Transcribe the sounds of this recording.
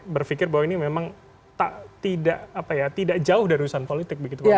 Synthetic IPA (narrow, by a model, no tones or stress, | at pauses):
bərfikɪrbawainimemaŋ | t̪aʔt̪idaʔapajat̪idaʔd͡ʒaʊhdaɾiusaɦanpolit̪ɪk̚bəɡit̪u